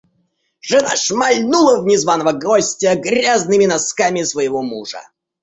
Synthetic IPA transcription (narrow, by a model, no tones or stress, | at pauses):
ʐɨna̰ʂmɐlʲnulˠəvnʲɪzvanəvəɡɔsʲtʲəɡɾʲaznɨmʲɪnɐskamʲɪsvəjɪvɔmuʐə̰